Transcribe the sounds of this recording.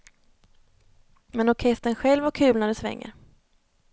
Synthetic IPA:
mɛnɔkʰɛst̪ənɧɛlvakʰʉ̟ːlnæɖɵsvɛ̰ŋːə̰

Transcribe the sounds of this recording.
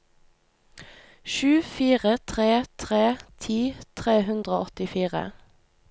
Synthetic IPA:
ʃʉːfiːʁət̪ʰʁeːt̪ʰʁeːt̪ʰiːt̪ʰʁeːhʉnd̪ʁəoːɔt̪ɪfiːʁə̰

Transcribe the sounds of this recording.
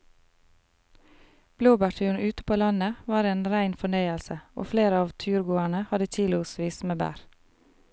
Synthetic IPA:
b̥luːbæʈʉːɳʉːt̪əpʰoːlɑnəʋɑːɾeːnɾæɪnfɔɳœʏəlsəo̰ːfleːɾəɑːʋt̪ʰʉːɾɡuːæɳəhɑd̪ət̪ʰiːlʊsʋiːsmeːbæ̰ːɾ

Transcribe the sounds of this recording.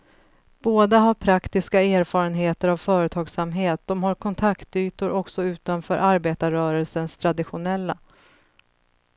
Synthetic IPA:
b̥oːd̪aɦaɾpʰɾakt̪ɪskaeːɾfɑːɾənɦeːt̪əɾavfœːɾət̪ʰɑːɡsamɦeːt̪̚d̪̥ɔmhaɾkʰɔnt̪ʰakt̪yːt̪ʊɾɔksɔʉ̟ːt̪anfœːɾʔaɾbeːt̪aɾœːɾəlsənst̪ʰɾad̪ɪɧʊnɛlːa

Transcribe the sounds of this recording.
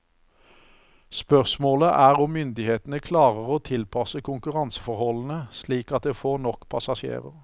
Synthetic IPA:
spœʁsmoːləʔæːʁɔmmʏnd̪ɪheːt̪n̩əkʰlɑːʁəʁoːt̪ʰɪlpʰɑsəkʊŋkʉʁɑnsə̥fɔʁhɔln̩əsliːkɑt̪̚d̪eːfoːʁnɔkːpʰɑsɑʃḛːʁə̰ʁ

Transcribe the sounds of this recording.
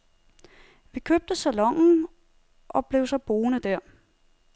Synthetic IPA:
ʋikʰøb̥̚d̥əsælɒ̽ŋ̰n̩ | ʔɒ̽b̥le̝ʊsɒ̽b̥o̝ːnəd̥æɐ̰

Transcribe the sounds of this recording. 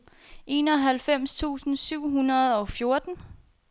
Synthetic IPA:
ʔe̝ːnɒ̽ɦælfem̰st͡sʰṵːsn̩syʊ̰ɦunɐð̞ˠɒ̽fjo̝ɐd̥n̩

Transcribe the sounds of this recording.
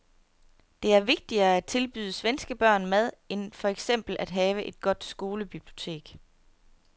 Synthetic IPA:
d̥e̝æɐʋe̝ɡ̥̚d̥iɐːæd̥̚t͡sʰe̝lb̥y̰ːðˠəsʋensɡ̥əb̥ɶɐ̰nmæð̞ˠe̝nfɒ̽eɡ̥sem̰b̥l̩ʔæd̥ɦɛːʋəʔe̝d̥̚ɡ̥ɒ̽d̥sɡ̥o̝ːləb̥ib̥lio̝t͡sʰe̝̰ːɡ̥

